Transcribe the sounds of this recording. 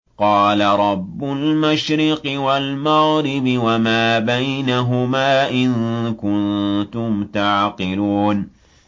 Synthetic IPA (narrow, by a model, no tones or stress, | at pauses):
qɑːlaɾˤɑbːʊlmaʃɾɪqɨwalmaɣɾɪbɪwamaːbajnaɦʊmaːʔɪnkʊnt̪ʊmt̪aʕqɨluːn